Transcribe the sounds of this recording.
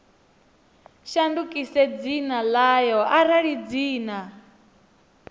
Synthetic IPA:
ʃandukʼisɛd͡zinalajɔʔaɾaɺid͡ziːna

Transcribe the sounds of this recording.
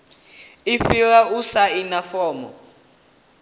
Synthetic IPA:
iɸiɣausainafɔːmɔ̰

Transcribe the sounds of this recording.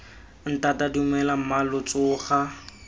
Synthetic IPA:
n̩tatadiumɛlam̩malʊt͡sʼʊːχa

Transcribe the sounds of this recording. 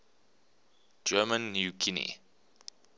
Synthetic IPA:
d͡ʒɜːmə̃nːjukʰinḭ

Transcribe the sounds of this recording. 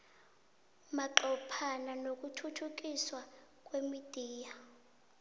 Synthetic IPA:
maǃɔpʰananok̬ʼutʰutʰuk̬iswak̬ʼwemid̥ʱiːja

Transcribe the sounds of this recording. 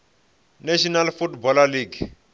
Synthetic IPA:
naʃɔnalfutbɔlaliɡ

